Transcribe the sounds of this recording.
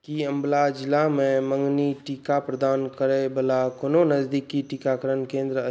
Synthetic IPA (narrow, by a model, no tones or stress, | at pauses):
kiɐ̃mblad͡ʒɪlamẽmə̃ŋɡniʈikapɾəd̪aːnkəɾebəlakononəzd̪ikːiʈikakəɾənkẽːnd̪ɾə